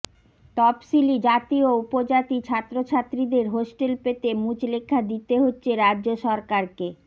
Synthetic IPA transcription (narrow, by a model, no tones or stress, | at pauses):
t̪ɔpsilid͡ʑat̪ioupod͡ʑat̪it͡ɕʰat̪ːɾot͡ɕʰat̪ːɾid̪eɾɦosʈelpet̪emũt͡ɕlekʰːad̪it̪eɦotːɕʰeɾadːoʃɔɾkaɾke